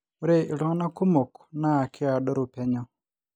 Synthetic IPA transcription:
u˦ɾe˦i˨lɔ˦ŋ˦na˦ku˦mo˨kna˦˨kʰɪ˦a˨ɗɔ˦ɾu˨pɛ˦ɲɔ˦

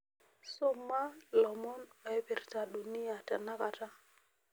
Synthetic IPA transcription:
sɔ˦ma˦lɔ˨mɔ˦nɔ˨ɛ˦pi˨ɾta˨ɗu˨ni˦a˨tɛ˨na˦ka˨ta˦

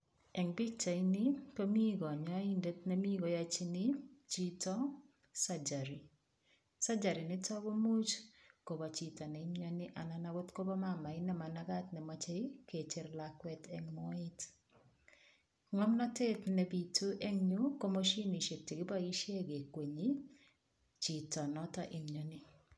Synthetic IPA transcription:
ɛ˨ŋbi˦k̚t͡ʃa˨i˦nɪ˦ko˦mi˦ɡɔ˨ɲɔ˦i˦nde˦tne˦mi˦ɡo˨ja˦t͡ʃi˦nɪ˦t͡ʃi˦tɔ˦ | sa˦d͡ʒa˨ɾi˨ | sa˦d͡ʒa˨ɾi˨nɪ˦tɔ˦ɡo˦mu˦t͡ʃko˨ba˨t͡ʃi˦tɔ˨nɛ˨˦ɲɔ˦nɪ˦ʔa˨na˨na˨wo˦tko˦bɔ˦ma˦˨ma˨ɪ˦nɛ˦ma˨na˦ɡa˦tnɛ˨ma˨t͡ʃe˦i˦ke˨t͡ʃe˨˦ɾlakwɛtɛ˦ŋmɔ˦ɪ˦t | ŋɔ˦mnɔ˦te˦tnɛ˨bi˨tʰo˦ʔe˦ŋɲu˦ko˦mo˦ʃi˦nɪ˨ʃe˨k̚te˨ɡɪ˦ba˦ɡi˦ʃje˦ɡe˨kwe˨ɲi˦ | t͡ʃi˨tɔ˨nɔ˦tɔ˦ʔɪ˦mɲo˨nɪ˦

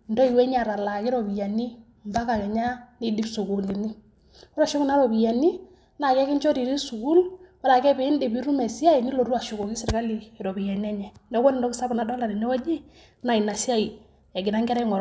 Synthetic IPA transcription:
ndɔ˦i˨wɛ˦ɲa˨ɾa˨la˨ki˦ɾɔ˨bi˨ja˨ni˦ | mba˦ka˨kɛ˨ɲa˦ni˦di˦bsu˨ku˨li˨ni˦ | ɔ˦ɾa˨ʃu˦ku˦na˦ɾɔ˨bi˨ja˨ni˦ | na˨kɛ˦ki˦nt͡ʃɔ˦ɾi˨ɾi˦su˨ku˦lwɔ˦ɾa˨kɛ˦pɪ˨˦ndi˨bi˦ɾu˦mɛ˨si˦a˦i˨ni˦lo˨ɾu˦a˨ʃu˨ko˨ki˦sɪ˨ɾka˦liː˨ɾɔ˨bi˨ja˨ni˦ɛ˦ɲɛ˨nɔ˦ko˦ni˦ndɔ˦ki˦sa˦bna˨dɔ˦la˨ni˨nɛ˦wɔ˦d͡ʒi˦ | na˨i˨na˨si˦a˦i˨ | ɛ˨ɡɪ˨na˦ŋɡɛ˦ɾɛ˦ŋɔ˨ɾ

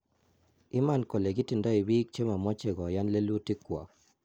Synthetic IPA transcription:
ɪ˦ma˦˨nko˨le˨ɡɪ˦ti˨nda˦i˨bi˦k̚t͡ʃe˦ma˨mɔ˦t͡ʃe˨ɡɔ˨ja˦nle˦lu˦ti˦kːwɔ̰˨k̚

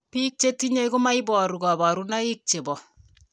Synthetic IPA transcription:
pi˦k̚t͡ʃe˦ti˦ɲe˦ku˦ma˦ibɔ˨ɾu˨ɡa˨ba˨ɾuna˦i˦k̚t͡ʃe˨bɔ˨

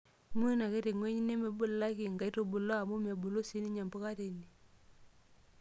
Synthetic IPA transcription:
ŋ˦e˦na˨ke˦te˨ŋwe˦ɲi˦ne˦me˨bʊ˦lːa˦ki˨ŋɡa˨˦to˨bu˨lo˦a˨mu˦me˨bu˨lo˦si˦ni˦ɲa˨mbo˦ka˦te˨ni˨

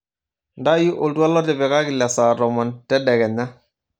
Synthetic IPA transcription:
nda˦ju˦ʔo˨ltu˦a˦lɔ˦tɛ˨bɛ˨ka˦ki˨la˨sa˨ɾɔ˨mɔ˨ntɛ˦dɛ˨kɛ˨na˦

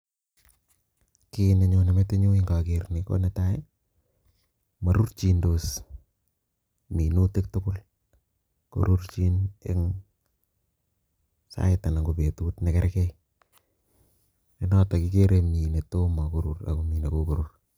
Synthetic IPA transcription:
kine˨ɲo˧ne˨me˦te˦ɲo˦ɪŋɡa˨kɪrniko̰˦ne˨ta˦e | ma˨ɾu˦rt͡ʃi˨ndos | mi˨nu˦te˦k̚tʊkʊl | ko̰˨ɾurt͡ʃi˦nḛ˦ŋ | sa̰˦ɪta˨na˨ŋɡo˨pe˨tutnɛ˨kɛɾɛkɛ | enɔ˦takɪ˦keɾemi˨ne˨to˦ma˨ko˦ɾura̰˨komi˨ne˨kokoɾʊr

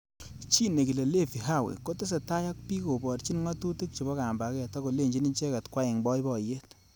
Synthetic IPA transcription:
t͡ʃi˦ne˨ki˨le˨le˦fi˨ɦa˦˨wḛ˨ko˦te˦s̬e˨ta˦ja˦k̚pi˦ko˨bɔ˨tt͡ʃi˦nŋa˦tu˦ti˦k̚t͡ʃi˨bɔ˦ka˨mba˨˦kɛ˦˨tɔ˦ko˨le˦˨ɲd͡ʒi˦ni˦t͡ʃɛ˦ka˨tkwa˦ɪ˨ŋbɔ˦jbɔ˨je˦t

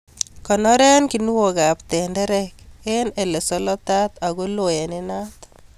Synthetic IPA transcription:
kɔ˨nɔ˦ɾɛ˦nki˨nu˦wo˨ɡa˨pt̪ɛ˨ndɛ˦ɾɛ˦ke˦ne˨le˨sɔ˦lɔ˦t̪a˦t̪a˨ɡo˦lo˨jɛ˨nɪ˦na˦t̪

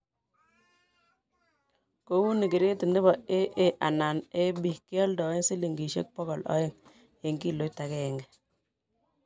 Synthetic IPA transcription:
ko˦wu˦ni˨kɪ˨ɾe˦tɪ˨ndɪ˦bɔ˨e˦ʔe˦ʔa˨na˨ne˦ɓi˦˨kɪ˦ɔ˦ldɔ˨ɪ˦ŋsi˦li˨ŋɡi˨ʃḛ˦k̚pɔ˦ɡɔ˨lɔ̰˦ɪ˦ŋ | je˨ŋɡi˦˨lo˦tːa˨kɛ˦˨ŋɡɛ˨

